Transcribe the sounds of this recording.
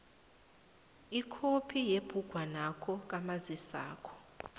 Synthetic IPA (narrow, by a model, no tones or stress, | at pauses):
ikʰopʰijeb̥ʱuɡ̥ʱwanakʰɔk̬ʼamazisa̰ːkʰɔ̥